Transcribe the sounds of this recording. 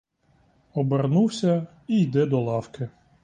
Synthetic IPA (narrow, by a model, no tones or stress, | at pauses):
ɔbernuwsʲɐ | ijd̪ɛd̪ɔlˠɑwkɪ